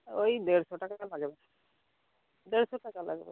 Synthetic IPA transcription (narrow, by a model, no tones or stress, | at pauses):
ojd̪eɾsoʈaklaɡɛbɛ | d̪eɾsoʈakala̰ɡɛ̰bɛ̰